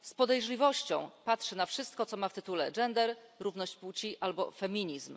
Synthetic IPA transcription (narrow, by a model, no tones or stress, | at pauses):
spɔd̪ɛjʐlʲivɔɕt͡ɕɔ̃w̃patʂɘnafʂɘst̪̚kɔt̪sɔmaft̪ɘt̪ulɛd͡ʐɛnd̪ɛɾɾuvn̪ɔɕt͡ɕput͡ɕiʔalbɔ̰fɛmʲiɲizm